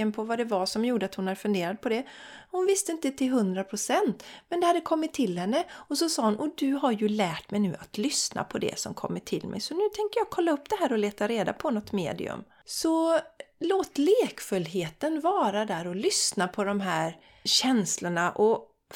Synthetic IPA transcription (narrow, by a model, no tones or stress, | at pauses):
ənpʰɔvad̪ɛvasɔmjuːɖəat̪hʊnhaɾfɵnd̪eːɾad̪̚pʰɔd̪ɛhʊnvɪst̪əɪnt̪ət̪ʰɪlɦɵnd̪ɾapʰɾʊsɛnt̪mɛnd̪ɛhad̪ːəkʰɔmːɪt̪ʰːɪlhɛnːəɔsɔsɑːhʊnʔɔd̪ɵɦaɾjɵlæːʈmɛjnʉ̟ːʔat̪lʏsna̰pʰɔd̪ɛ̰sɔ̰mkʰɔ̰mːəʈʰɪ̰lmɛ̰jsɔnʉ̟ːt̪ʰɛŋkəɾjɑːɡ̚kʰɔlːaɵpːd̪ɛɦæːɾɔleːt̪aɾeːd̪a̰pʰɔnɔt̪mḛːd̪ɪ̰ɵ̰m | sɔloːt̪leːkfɵlːɦeːt̪ənvɑːɾad̪æɾɔlʏsnapʰɔd̪ɔmɦæːɾ | ɕɛnslʊɳaʔɔ